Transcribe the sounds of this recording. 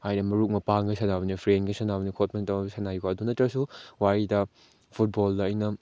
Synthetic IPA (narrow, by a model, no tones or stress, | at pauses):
hajnɐmɐɾuk̚mɐpaŋɡɐsɐnabɐnipʰɾenɡisɐnabɐnikʰot̚mentɐɐbsʰɐnajuɡaɐdunɐtɾɐsuwaɾidɐ | pʰut̚boldɐːjnɐ